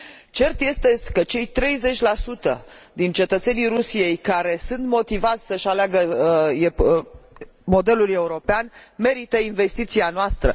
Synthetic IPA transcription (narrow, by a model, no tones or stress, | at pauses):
t͡ʃe̞rt̪je̞st̪ekət͡ʃe̞jt̪ɾe̞jze̞t͡ʃʲlasut̪ə̰d̪int͡ʃe̞t̪ət̪se̞nijɾusije̞jkaɾe̞sunt̪mo̞t̪ivat̪sʲsəʃaleaɡəe | mo̞d̪e̞lule̞uɾo̞peanme̞ɾit̪əinve̞st̪it̪sianoast̪ɾə